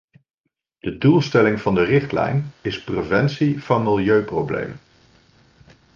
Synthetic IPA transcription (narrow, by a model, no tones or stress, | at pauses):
d̥ədulˠstɛlɪŋv̥ɑndərɪχtlɛ̰jnɪsprevɛnsiv̥ɑnmɪlˠjøɥprowblḛjmən